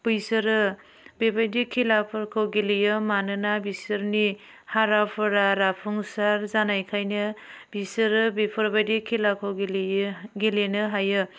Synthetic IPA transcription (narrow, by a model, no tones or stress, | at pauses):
pujsɯɾɯ | bebajdikʰilapʰɯɾkʰɔwɡilijɯmanɯnabisɯɾni | haɾapʰɯɾaɾapʰuŋsaɾzanajkʰajnɯbisɯɾɯbipʰɔɾbajdikʰilakʰɯwɡilɡilenɯɦajɯ